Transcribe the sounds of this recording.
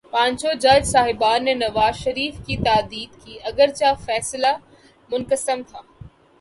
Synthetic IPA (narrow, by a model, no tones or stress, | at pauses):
pãːɲt͡ʃod͡ʑad͡ʒsaːɦɪbaːnːenɐʋaːzʃɐɾiːfkit̪aːd̪iːd̪kiːɐɡəɾt͡ɕafɛːsla | mʊnkəsəmt̪ʰaː